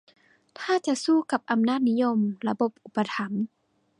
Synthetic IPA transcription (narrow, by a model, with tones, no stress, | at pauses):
t̪ʰaː˧˥˩t͡ɕa˧˨ʔsuː˧˩ka˨˧˩p̚ʔa˧mnaː˥˩t̪̚ni˦˥jo˧˨mla˧bo˨˧˩p̚ʔu˨˩pːa˧t̪ʰa˨˦m